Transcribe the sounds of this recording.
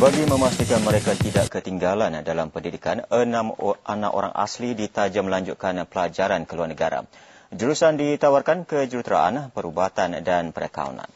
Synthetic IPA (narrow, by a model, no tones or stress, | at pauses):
baɡimə̃mast̪ikanməɾekat̪idaʔkət̪iŋɡalandalampəndidikanənamana̰ʔo̰ɾa̰ŋʔa̰slidit̪ad͡ʒaməlaɲd͡ʒut̪̚kanpəlad͡ʒaɾankəluarnəɡa̰ɾa̰d͡ʒəɾusandit̪awarkankəd͡ʒut̪ɾa̰ʔa̰npəɾubat̪andanpəɾəka̰ṵna̰n